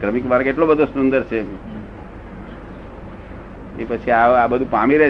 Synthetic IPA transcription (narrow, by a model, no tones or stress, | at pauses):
kɾəmikbaɾəkeʈlobəd̪ʱosund̪əɾt͡ʃʰe | epət͡ʃʰiaabəd̪ʱũpamiɾɛ